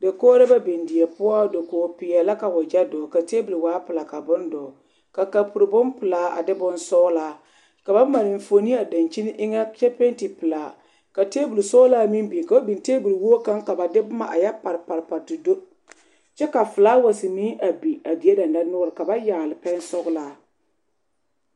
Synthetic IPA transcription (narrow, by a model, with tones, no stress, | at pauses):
da˨koː˦ɾɪ˦ba˦bi˨ndɪ˨jɛ˨pʊ˦a˦do˨koː˨pɪ˨jɛ˨la˦ka˨wʊ˨d͡ʒɛ˦dɔː˨ka˨teː˦bu˨lwaː˨˦pɨ˨la˨ka˨bʊ˦ndɔː˨ | ka˨ka˨pʊ˨ɾbʊ˦mpɨ˨laː˨˦a̰˨dɪ˦bʊ˦nsɔː˦laː˨˦ | ka˨ba˦ma˨lɪ˨ɱ˨fo˨ni˦a˨da˨nt͡ʃi˦nɪ˦ʔɪ˦ŋa˦t͡ʃɛ˦pe˦n˦ti˨pɨ˨laː˨ | ka˨te˦bu˨lsɔ˦laː˦mi˦nbi˨ka˨o˦bi˨nteː˦bu˨lwo˦o˦ka˦ŋka˨ba˨dɪ˦bʊ˦ma˨ʔa̰˨ja˦pa˨ɾpa˨ɾpa˨dʊ˨do˦ | t͡ʃɛ˦ka˨fɨ˨laː˦wa˨si˨mi˦ʔa˨bi˨a˨di˨e˦da˨nda˦nʊ˦ɾɨ˨ka˨ba˦jaː˨lɪ˨pɛ˦n˦sɔ˦ɣlaː˨˦